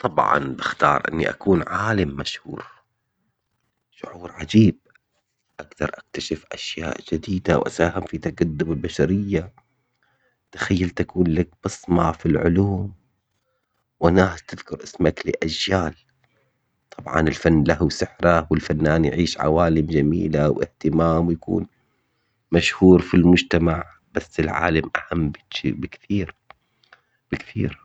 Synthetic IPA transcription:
t̪ˤɑbʕɑ̰nbɪxt̪ɑːɾˤʔɪ̰nːḭʔa̰kuːnʕaːlamːaʃhṵːɾ | ʃʊʕuːɾʕad͡ʒiːb̚ | ʔaɡd̪ɑ̰ɾˤʔak̚t̪aʃɪfʔaʃja̰ːʔd͡ʒɪd̪iːd̪awʔa̰saːhɪmfit̪aɡad̪ːʊmɪlbaʃaɾɪjːa | t̪ḁxajːalt̪akuːnlak̚b̥ɨsˤmɑfilʕʊ̰luːm | wʔanaːt̪ɪðkʊɾʔɪsmaklɪʔad͡ʒjaːl | t̪ˤʰɑbʕɑ̰nɪlfanːlahwsɪħɾawɪlfanːaːnjʕiːʃʕa̰waːlɪmd͡ʒamḭːlawʔɪ̰ht̪ɪmaːmwjakṵːn | maʃhuːɾfilmʊd͡ʒt̪amaʕ | b̥asːɪlʕa̰ːlamʔahamːbɪbɪkθiːɾ | b̥ɪkθiːɾ

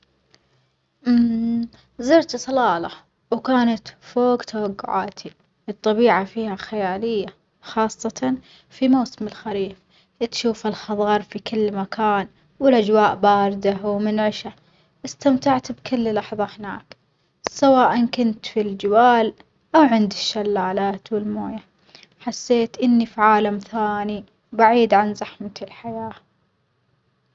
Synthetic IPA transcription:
ʔm | zɪɾt̪sˤɑlɑːlɑ | wkaːnat̪foːɡt̪ʰawaɡːʊ̰ʕa̰ːt̪ʰi | ʔɨt̪ˤːɑbiːʕafiːhaxajaːlɪjːa | xɑːsˤːɑt̪ɑ | fimawsɪmɪlxaɾiːf | ʔt̪ʃuːfalxɑðˤɑːɾˤfikɪlːmakʰaːn | wɪlʔad͡ʒwaːʔbaːɾɪd̪awmɪnʕɪʃa | ʔɪst̪amt̪aʕt̪bkɪlːlɑħðˤɑhɪnaːk | sawaːʔankʊnt̪fild͡ʒɪwaːl | ʔawʕɪnd̪ɪʃːalːaːlaːt̪wɪlmoːja | ħasːeːt̪ʔɪnːifiʕaːlamθaːni | baʕiːd̪ʕanzaħmalħajaː

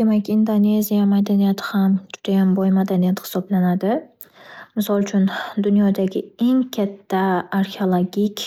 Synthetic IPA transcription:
d̪̥e̞makʲind̪one̞zijamad̪anijat̪ʰɪ̥hamd͡ʒʊd̪̥ajanbɒjmad̪anijat̪hɪ̥sɒblanad̪ɪ | mɪsɒlˠt͡ʃʰʊnd̪ʊnjɒd̪aɡʲɪe̞ŋkʲʰat̪ʰːaːɾxeolˠoɡʲikʲ

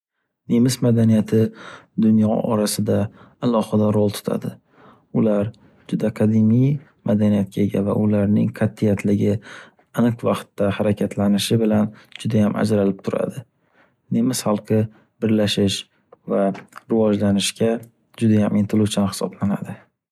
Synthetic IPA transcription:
nemɪsmad̪anijat̪ʰɪd̪ʊnjɒɒ̰ɾasɪd̪aː | lˠɒhɨd̪aɾolˠt̪ʰʊ̥t̪ʰa̰d̪ɪ | ʊlaɾ | d͡ʒʊd̪aqʰɑd̪imij | mad̪anijat̪̚kʲʰaeɡʲava̰ʔʊlaɾnɪ̰ŋqʰat̪ʰːɪjat̪ʰlɪɡʲɪ | anɨqvɑqt̪ːahaɾakʲʰat̪ʰlanɪʃɪbɪland͡ʒʊd̪ajamʔa̰d͡ʒɾalɪp̚t̪ʰʊɾa̰d̪ɪ | nemɪsχɑlˠqʰɨ | b̥ɪɾlaʃɪʃ | vaɾɪvɒd͡ʒlanɪʃkʲa | d͡ʒʊd̪ajamʔɪnt̪ʰɪlˠut͡ʃʰanhɪ̥sɒ̰blana̰d̪ɪ

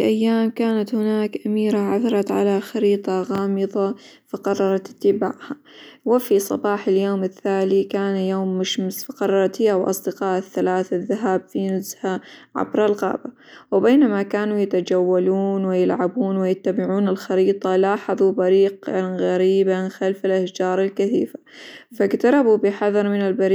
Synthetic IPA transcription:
iʔajːaːmkaːnat̪hɪnaːkʔamiːɾaʕa̰θɑɾˤɑt̪ʕa̰laxɑɾiːt̪ˤɑɣɑːmɨðˤɑ | fɑqɑrˤːɑɾˤɑt̪ɪ̥t̪ːɪbaːʕha | wɪfisˤɑ̰bɑːħɪljoːmɪθːaːlikaːnjoːmːɪʃmɪsfɑqɑrˤːɑɾˤɑt̪hɪːawʔɑ̰sˤd̪ɪqɑːʔɪθːalaːθaðːaɦaːbfinʊzhaʕa̰bɾalɣɑ̰ːba | wɪbeːnamakaːnujɪt̪ad͡ʒawːaluːnwɪjɪlʕabuːnwɪjɪt̪ːabɪʕuːnɪlxɑɾiːt̪ˤɑlaːħɑðˤubaɾiːqɣaɾiːbanxalfɪlʔahd͡ʒɑːɾˤɪlkɪθḭːfḁfaɡt̪ɑɾˤɑbubɪħɑðˤɑɾˤmɪnɪlbɑɾ

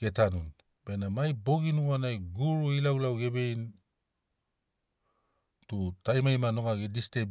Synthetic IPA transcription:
ɡe̞tanun | b̥enamajbo̞ɡinuanajɡuɾuilawlawɡe̞be̞jn | tutajmajmano̞ɡaɡediste

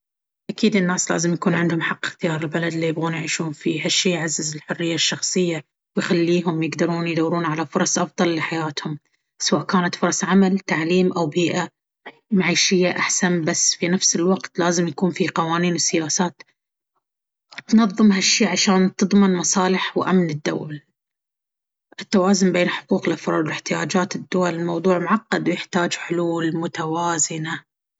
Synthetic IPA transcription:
ʔakiːd̪ɪnːaːsla̰ːzɪmjakuːnʕɪnd̪hʊmħɑqːɪxt̪ɪjɑːɾˤɪlbalad̪lːijɪbɣuːnjʕiːʃuːhʊmfiːhaʃːiːjʕazːɪzɪlħʊrːɪjːaʃːɑxsˤɨjːa | wjxalːiːɦʊmjɪɡd̪ɑɾˤuːnjd̪awːɾuːnʕalafʊɾˤɑsˤʔɑfðˤɑlːɪħajaːt̪hʊm | sawaːʔkaːnat̪fʊɾˤɑsˤʕamalt̪aʕliːmʔawbiːʔa | maʕiːʃɪjːaʔaħsanbasːfinafsɪlwɑqt̪laːzɪmjakuːnfiqɑwaːniːnwɪsɪjaːsaːt̪ | t̪nɑðˤːɨmɦaʃːiːʕaʃaːnt̪ɨðˤmɪnmɑsˤɑːlɪħwʔamnɪd̪ːa̰wl | ʔɪt̪ːawaːzʊnbeːnħʊ̥quːqɪlʔafɾˤɑ̰ːɾd̪ˤwlɪħt̪ɪjaːd͡ʒaːt̪ɪd̪ːʊwalɪlmɑwðˤuːʕmʊʕaqːɑd̪wjɪħt̪aːd͡ʒħʊluːlmʊt̪awaːzɪna

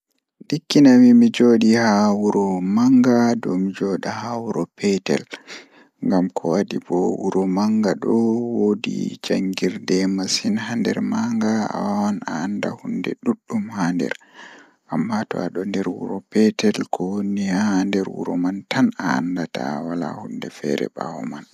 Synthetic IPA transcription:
ɗikːinawimid͡ʒoɗihawuɾɔmaŋɡadɔmid͡ʒɔɗahawuɾɔpʰɛtɛ̰l | ŋɡamkʰɔwadibɔwuɾɔmaŋɡaɗɔwodḭd͡ʒaŋɡiɾdɛmasinhandɛɾmaŋɡaa̰wawanaːnda̰hundɛɗuɗːumhandɛ̰ɾ | ʔamːatɔ̰aɗɔndɛɾwṵɾɔpɛtɛlkʰɔwonːihahandɛɾwṵɾɔ̰mantanaandata̰wala̰hundɛfɛɾɛ̰ba̰wɔman

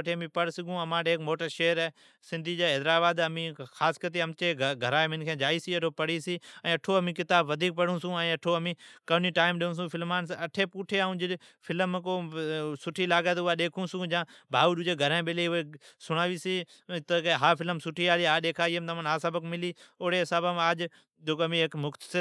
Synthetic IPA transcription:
ʈʰeːəmĩːpəɽsɪɡũːəmãːʈeːkmoːʈəɾʃeːəɾɛː | sɪ̃nd̪ʱiːd͡ʒaːɦɛːd̪ɾaːbaːd̪əmĩːxaːskəɾt̪eːəmt͡ʃeːɡʱəɾaːemɪnkʰẽːd͡ʒaːiːsiːɐʈʰoːpəɽiːsiːɛ̃ːɐʈʰoːəmĩːkɪt̪aːbʋəd̪ʱiːk̚pəɽ̤ũːsũːɛ̃ːɐʈʰoːəmĩːkəʋniːʈaːɪmɗɪũːs̬ũːfʰɪlmaːnsɐʈʰeːpuːʈʰeːaːũːd͡ʒɪ | fʰɪləmkoːsʊʈʰiːlaːɡaːt̪ʊaːɗeːkʰũːsũːd͡ʒãːbʱaːuːɗʊd͡ʒeːɡʱəɾãːɓɪleːʊɦeːsʊɽ̃aːʋiːsiː | t̪əɦaːfɪləmsʊʈʰiːaːliːɦaːɗeːkʰaːiːəmt̪əmənɦaːsabəkmɪliːoːɽeːɪsaːbəmaːd͡ʒ | d͡ʒoːkːəmĩːeːkmʊkt̪ə̥sɪ

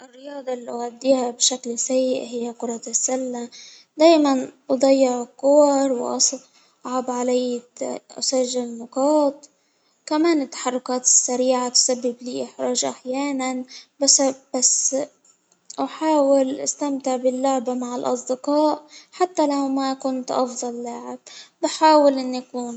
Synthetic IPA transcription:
ʔɪrːɪjɑːd̪ˤɑlːiʔɣad̪ːiːhabʃaklsajːɪʔhɪjːaqʊɾˤɑsːalːa | d̪aːjmanʔʊd̪ˤɑjːɪʕɪqːʊwɑɾˤwʔɑ̰s | ʔʕabʕalajːt̪ʔa̰saʒːɪlnʊqɑːt̪̚ˤ | kamaːnɪt̪ːḁħɑrˤːʊkaːt̪ɪ̥sːaɾiːʕat̪sabːɪbliːʔɪħɾˤɑːʒʔaħjaːnanbasbas | ʔaħaːwɪlʔast̪amt̪ɪʕbɪlːʊʕbamaʕɪlʔɑsˤd̪ɪqɑːʔħat̪ːalawmakʊnt̪ʔɑfd̪ˤɑlːaːʕɪb̚bɪħaːwɪlʔɪnːʔakuːn

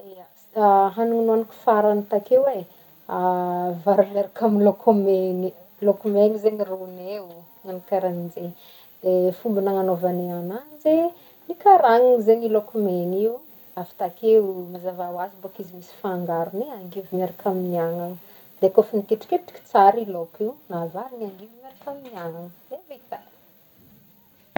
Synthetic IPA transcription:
iasid̪aɦanuŋinuaniku̥faɾanit̪akewe | avaɾaleɾakʰaminlokʰomeni | lokumenizeɲirunew | ŋanikaɾanind͡ze | d̪efumbinaŋanovaneananze | nikaɾaŋiŋzeɲilokomeniu | afi̥t̪akewmazavawazibokizimisi̥faːŋɡaɾuniaŋɡivimeɾakaminiaŋan | d̪̥ekofinikeʈ͡ʂi̥keʈ͡ʂi̥kʲi̥t͡saɾilokiwnavaɾiniaŋɡivimeɾakaminiaŋanemet̪a

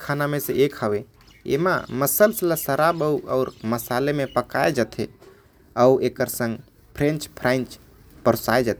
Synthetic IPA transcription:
kʰanamẽseʔekʰəʋe | ḛma̰məsəlsələsəɾabəuɔ̰ːɾməsalemepəkaed͡ʒət̪ʰe | əuekəɾsə̃ŋɡ | pʰɾẽnt͡ʃpʰɾant͡ʃ | pəɾsaed͡ʒət̪ʰe

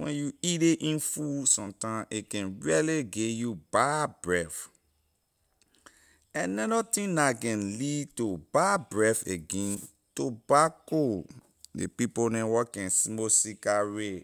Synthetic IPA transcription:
wɛ̰̃njuideʔĩnfusɔ̃mtãʔikɛ̃nɹialeɡejubabɹɛf | ɛ̃nɛdɔtĩnakɛ̃nlidtobabɹɛfeɡẽn | tobako | dḛpiponɛ̃wɔkɛ̃nsimosikaɹe

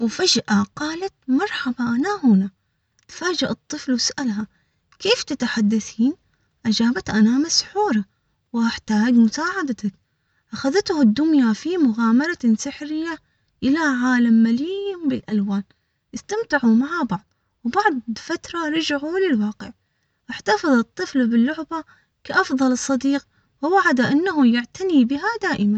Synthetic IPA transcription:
wɪfad͡ʒʔaqɑːlat̪̚mɑɾˤħabaʔanahʊna | t̪faːd͡ʒaʔɨt̪ˤːɨflwɪsʔalɦa | keːft̪at̪aħad̪ːaθiːn | ʔad͡ʒaːbat̪ʔanamasħuːɾˤa | whaħt̪aːɡmʊsaːʕad̪at̪ak̚ | ʔaxaðɪt̪had̪ːʊnjafimʊɣaːmɑɾˤɑnsɪħɾɪjːa | ʔɪlaʕaːlamːalimbɪlʔalwaːn | ʔɪst̪amt̪ɪʕumaʕabɑʕðˤ | wbɑʕðˤfat̪ɾˤɑɾˤɑd͡ʒʕulɪlwɑːqɪʕ | ʔaħt̪ɑfɨðˤɨt̪ˤːɨflbɪlːʊʕba | kaʔɑfðˤɑlɨsˤːɑd̪iːq̚ | wɪwaʕad̪aʔɪnːaɦujɪʕt̪anibɪɦad̪aːʔɪman

